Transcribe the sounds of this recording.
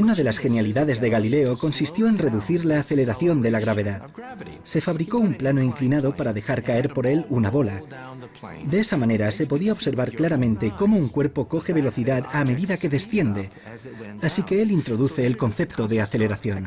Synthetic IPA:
unaðe̞lasxe̞njaliðaðe̞zðe̞ɣalile̞o̞ko̞nsist̪jo̞e̞nre̞ðuθiɾlaːθe̞le̞ɾaθjo̞nd̪e̞laɣ̞ɾaβe̞ðað | se̞faβɾiko̞umplanoiŋklinaðo̞paɾaðe̞xaɾkae̞ɾpo̞ɾe̞lunaβo̞la | d̪e̞esamãne̞ɾase̞po̞ðiaoβse̞ɾβ̞aɾklaɾamẽ̞nt̪e̞ko̞mo̞uŋkwe̞ɾpo̞ko̞xe̞β̞e̞lo̞θiðaðame̞ðiðake̞ðe̞sθje̞nd̪e̞ | asike̞e̞lint̪ɾo̞ðuθe̞ːlko̞nθe̞pt̪oðe̞aθe̞le̞ɾaθjo̞n

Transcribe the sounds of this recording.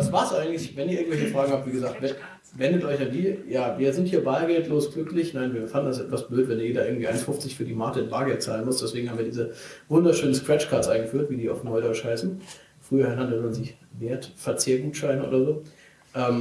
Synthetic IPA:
vasv̥aːsʔaɪɡŋ̩tlɪçvɛnʔiɐɪɐŋ̩v̥ɛlçəfʁ̥aːɡŋ̩hap̚tviːɡəzaːktvɛ | vɛndətʔɔʏçandiːjaːviːɐzɪnthiːɐbaːlɡɛltʰloːsɡ̥lʏklɪçnaɪnviːɐfandn̩dasʔɛtv̥asb̥løːtvɛndɛːjeːdɐʔɪɐɡŋ̩tv̥iːaɪnfʊft͡sɪçfyːɐdiːmaːɐtəɪnb̥aːɡɛltt͡saːlənmʊstd̥ɛsv̥eːɡŋ̩hamviːɐdiːzəvʊndɐʃøːnən̩skʁ̥ɛt͡ʃkʰaːtsʔaɪnɡəfyːɐtv̥iːdiːaʊfnɔʏdɔʏt͡ʃhaɪsn̩ | fʁ̥yːɐaɪnandɔəmanziː | veːɐtfɛɐt͡sɪːɐɡŋʃaɪnʔo̰ːdɐzoː | ʔɛːm

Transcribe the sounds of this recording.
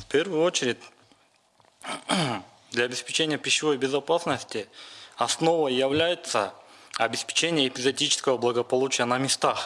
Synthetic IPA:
fpʲe̞rvʊjʊo̞t͡ɕɪɾʲɪtʲ | d̪lʲɐːbʲɪspʲɪt͡ɕenʲɪjəpʲɪɕːɪvo̞jbʲɪzɐpasnəsʲtʲɪɐsno̞vəjːɪvlʲæjɪt̪səɐbʲɪspʲɪ̥t͡ɕenʲɪjəːpʲɪzʲɐdʲit͡ɕɪ̥skəvəblˠɐɡəpɐlˠut͡ɕɪjənɐmʲɪst̪ax

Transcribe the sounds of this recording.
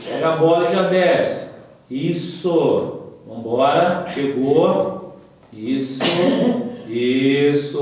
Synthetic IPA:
pɛɡɐbɔlɐʒad̪ɛs | isʊvɐ̃bɔɾɐʃeɡo | isʊ | isʊ

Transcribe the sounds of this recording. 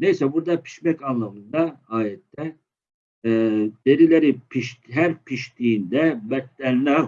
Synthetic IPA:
nejsɛbuɾd̪apʰi̥ʃmɛcanlˠamɯnd̪aaːjɛt̪ːɛ | d̪̥e̞ɾilʲeɾipʰiʃɦæɾpʰiʃt̪ʰiːnd̪ɛbɛt̪ːænːæ

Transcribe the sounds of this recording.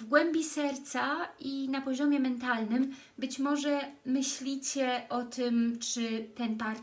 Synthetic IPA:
vɡwɛmbʲisɛɾt̪saʔinapɔʑɔmʲjɛmɛnt̪alnɘm | bɘt͡ɕmɔʐɛmɘɕlʲit͡ɕɛʔɔt̪ʰɘmt͡ʂɘt̪ɛnpaɾ

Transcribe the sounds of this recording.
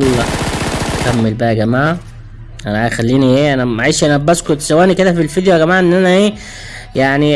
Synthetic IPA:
lːɑ | kæmːelbæʔæɡæmaːʕ | ʔænæxælːiːniʔeːʔænæmaʕiːʃiʔænæbæskot̪sæwæːniked̪æfilfid̪jæɡæmaːʕʔenːʔænæʔeː | jaʕni

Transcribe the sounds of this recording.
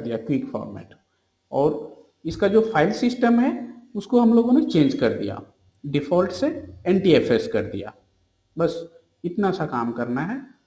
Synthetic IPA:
d̪ijakwikfɔ̰ːɾmɛ̰ːʈ | ɔːɾ | ɪskad͡ʒoːpʰaːɪlsɪsʈəmɦɛʊskoɦɐmloːɡõnet͡ʃẽːɲd͡ʒkɐɾd̪ḭja̰ː | ɖɪfɔːlʈseɛ̃ːnʈieːfeskɐɾd̪ḭja̰ː | bɐs | ɪt̪naɛsakaːmkɐɾnaɦɛː

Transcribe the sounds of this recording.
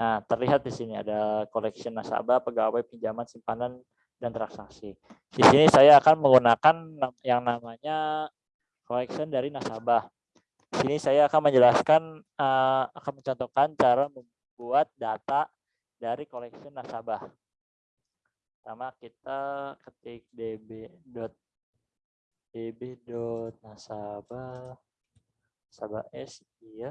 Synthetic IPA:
naht̪ərliɦat̪̚disinia̰dakolɛksiənːasa̰bahpəɡawajpiɲd͡ʒamansimpanan | dant̪ɾaksaksi | sisinisajaːkanməŋɡunakanːajaŋnamaɲa | kolɛksiəndaɾinasabah | disinisajaːkanməɲd͡ʒəlaskanəakanməɲt͡ʃɔnt̪okant͡ʃaɾaməm | buat̪̚dat̪a | daɾikolɛksənːasabah | t̪amakit̪akət̪ɪk̚debedɔt̪̚ | debedɔt̪̚nasaba | asabaɛs | ia

